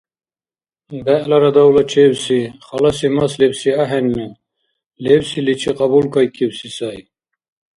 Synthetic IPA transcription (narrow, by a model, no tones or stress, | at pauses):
bɛʔlaɾad̪awlat͡ʃʰewsiχɑlasimaslɛbsiaɦɛnmɛ | lewsilit͡ʃʰiqʼɑbulkʰɑjkʰʼiwsisaj